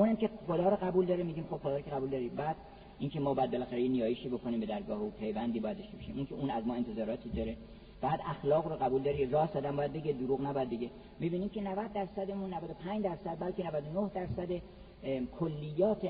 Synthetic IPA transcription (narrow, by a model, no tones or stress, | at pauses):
unæmkʲeχod̪ɒːɾoɣæbuːld̪ɒːɾemiɡiːmxo̞b̥χod̪ɒːɾkʰeɣæbuːld̪ɒːɾibæːd̪̥ | iŋcʰe̞mɒːbɒjæd̪̚belæxæɾejenijɒːjeʃiːbo̞kʰoniːmbe̞d̪æɾɡɒːheupʰe̞jvænd̪iːbɒːjæd̪oʃt̪ebɒʃimuŋkʲʰeuːnæzmɒːent̪ʰe̞zɒːɾɒːt̪ʰiːd̪ɒːɾe | bææd̪æxlɒːɣɾoɣæbuːld̪ɒːɾirɒːsɒːd̪æmbɒːjæd̪̚be̞ɡed̪uɾuːɣnæbɒjæd̪beɡʲe | mibiːniːmcʰe̞nævæd̪ːæɾsæd̪emunːævæd̪o̞pʰæɲd͡ʒd̪æɾsæd̪̚bælcenævæd̪onohd̪æɾsæd̪e | kʰolːijːɒːt̪ʰe